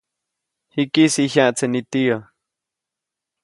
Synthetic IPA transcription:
hikisiçjãʔt͡senit̪io

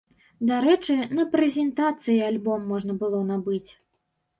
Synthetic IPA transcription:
d̪aɾɛt͡ʂɨnɐpɾɛzʲɛnt̪at̪sɨjialʲbɔmːɔʐnɐbɨlˠɔnabɨt͡sʲ

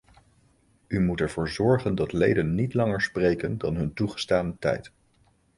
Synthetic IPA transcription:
ymutɛɹv̥ʊːɹzɔɹχəndɑtlejdənːitlɑŋəɹsprejkəndɑ̰nɦɵntuχə̥staːnətɛ̰jt

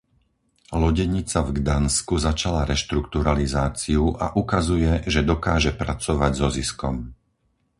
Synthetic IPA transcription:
lɔɟɛɲit͡savɡd̪anskuzat͡ʃalaɾɛʃt̪ɾukt̪uɾalizaːt͡siuʔa̰ʔukazujɛʒɛd̪ɔkaːʒɛpɾat͡sɔʋaɟzɔziskɔm

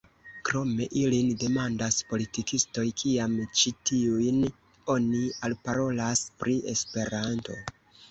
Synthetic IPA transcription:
kɾo̞me̞ʔilinde̞mandaspo̞litikisto̞jkʰiamt͡ʃitiujn | o̞nialpaɾo̞laspɾie̞spe̞ɾanto̞̰

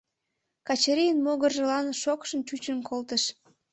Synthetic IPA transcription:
kɑt͡ɕəɾijənmoɣərʒəlɑnʃokʃənt͡ɕut͡ɕənkolt̪əʃ

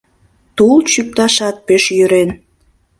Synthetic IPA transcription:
t̪ult͡ɕyk̚t̪ɑʃɑt̪̚peʃjyɾen

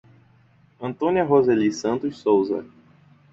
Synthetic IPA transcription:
ɐ̃nt̪õniɐɦozelisɐ̃nt̪ʊssowzɐ̰

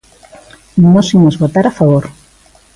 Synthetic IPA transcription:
nosimozβot̪aɾafaβoɾ

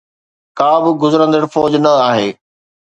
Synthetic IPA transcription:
kaːbɪ̆ɡʊzɾə̃nd̪əɽfɔːd͡ʑnɐaːɦeː

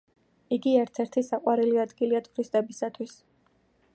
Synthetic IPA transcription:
iɡiɛɾt̪sʰɛɾt̪ʰisaqʼwaɾiliad̪ɡiliat̪ʰʼuɾist̪ʼɛbisat̪ʰwis

